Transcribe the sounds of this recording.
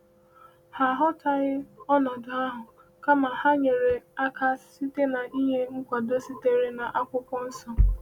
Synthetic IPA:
ha˨ɦɔ˦ta˨ɣɪ˦ɔ˦nɔ˨dʊ˨a˦ɦʊ˨ | ka˦ma˨ha˦ɲe˨ɾe˨a˦ka˦si˦te˦na˨ʔi˦ɦe˦ŋ̩˦kʷa˨do˦si˦te˦ɾi˦na˨ʔa˦kʷʊ˦kʷɔ˦n̩˦sɔ˦

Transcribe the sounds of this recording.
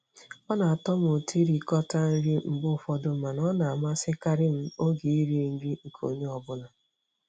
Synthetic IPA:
ɔ˦na˨a˨tɔ˦m˨o˨tʰi˦ɾi˨kɔ˦ta˦n̩˦ɾi˦m̩˨bʊ˦˨fɔ˦dʊ˨ma˨nɔ˦na˨a˨ma˦sɪ˦ka˦ɾɪ˦m̩˦o˦ɡi˨i˦ɾi˦ŋ̩˦ɡi˦ŋ̩˨kʰo̰˨ɲe˦ɔ˨bʊ˦na˨

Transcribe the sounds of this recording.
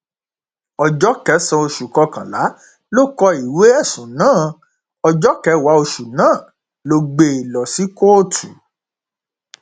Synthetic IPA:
ɔ˧d͡ʒɔ˨˦kɛ˨˦sɔ̃˧o˧ʃu˨kɔ˧kã˨la˨˦ | lo˦˨kɔ˧i˨we˨˦ɛ˦˨sũ˨nãː˦˨ | ɔ˧d͡ʒɔ˦kɛ˨˦wa˨˦o˧ʃu˨nãː˦˨ | lo˧ɡ͡be˧i˨lɔ˨si˨˦ko˦˨tʰu˨

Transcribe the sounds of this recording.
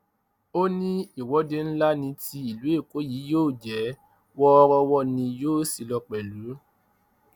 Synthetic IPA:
o˦nĩ˦i˦˨wɔ˨˦de˧n̩˦la˦nĩ˧ti˧i˨lu˨˦e˦˨ko˨˦jiː˨˦joː˦˨d͡ʒɛ˨˦ | wɔ˦ɔ˧ɾɔ˧wɔ˦nĩ˧joː˦˨si˨lɔ˧k͡pɛ˨lu˨˦

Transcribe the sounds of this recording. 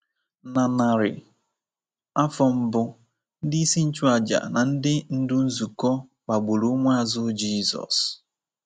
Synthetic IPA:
na˨na˨ɾɪ˨ | a˦fɔ˨m̩˦bʊ˦ | n̩˦dɪ˦i˦si˦n̩˦t͡ʃu˦a˨d͡ʒa̰˨na˨n̩˦dɪ˦n̩˦dʊ˦n̩˦zu˨kɔ˦ | k͡pa˨ɡ͡bo˨ɾu˦ŋʷa˦a˦˨zʊ˦d͡ʒiː˦zɔ̰˨s

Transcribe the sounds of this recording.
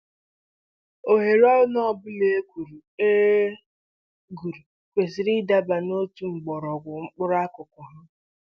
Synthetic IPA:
o˨ɦe˨ɾɔ˦ʊ˦nɔ˦˨bʊ˦le˦kʷu˨ɾu˨e˦ | ɡu˨ɾu˨ | kʷe˨zi˨ɾi˦da˦ba˨no˦tu˦ŋ͡m̩˨ɡ͡bɔ˨ɾɔ˨ɡʷʊ˨ŋ͡m̩˦k͡pʊ˦ɾa˦kʊ˨kʊ˨ɦa˦

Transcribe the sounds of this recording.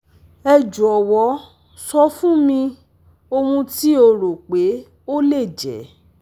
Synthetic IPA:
ɛ˧d͡ʒu˨ɔ˨wɔ˨˦ | sɔ˦fũ˦mĩ˧ | o˧mũ˧ti˦o˧ɾo˨k͡pe˨˦ | o˦le˦˨d͡ʒɛ̰˨˦

